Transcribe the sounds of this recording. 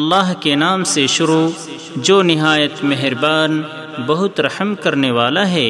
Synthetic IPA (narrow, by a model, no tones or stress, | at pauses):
ɐlːaːɦkenaːmseʃʊɾuː | d͡ʒoːnɪɦaːjət̪meɦɾbaːn | bɐɦʊt̪ɾɐhmkɐɾneʋaːlaɦɛː